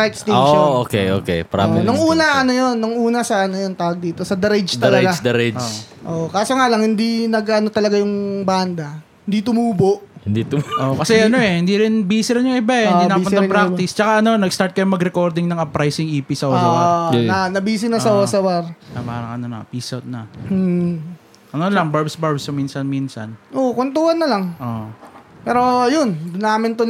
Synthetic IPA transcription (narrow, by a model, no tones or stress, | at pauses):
ɐɛkst̪ɛoʃnokḛʔo̰kḛpɐɾa̰nʊŋʔuːnɐʔɐnojonːʊŋʔuːnɐsɐʔɐnojont̪aːwɐɡ̚d̪iːt̪o̞sɐd̪ɐɾɛd͡ʒd̪ɐlɐɡad̪ɐɾɛd͡ʒʔoːʔokaːsoŋalɐŋhɪnd̪inɐɡɐno̞t̪ɐlɐɡajʊŋband̪ɐ | hɪnd̪it̪ʊmuːboʔhɪnd̪it̪ʊʔoʔkɐsɛɐnoɛhɪnd̪iɾɪnbiːsɪɾɪnjʊŋʔɪbaɛninɐɐnɐpɾakt̪ɪst͡ʃɐkaʔɐno̞nɐɡst̪aɾt̪̚kɐjʊŋmɐɡɾɛko̞ɾd̪ɪŋnɐŋɐpɾajsɪŋʔiːpisɐʔoːsanɐnɐbiːsɪnɐsɐʔoːsɐwɐɾɐpa̰ːɾɐŋɐ̰nonɐ̰piːsɐt̪̚nɐ̰ | ʔɐnonlɐŋbaɹbsbaɹbsɐminsɐnminsɐ̰nʔokont̪uːhɐnːɐlɐŋʔo̰ | pɛːɾo̞jond̪ʊnːaːmɪnt̪o